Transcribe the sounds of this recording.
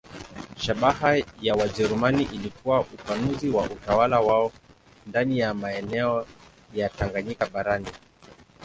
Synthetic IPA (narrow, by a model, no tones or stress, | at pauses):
ʃaɓahajawad͡ʒɛɾumaniʔilikuwaʔupanuziwaʔutawalawaɔ | ndanijamaɛnɛɔ | jataŋɡaɲikaɓaɾani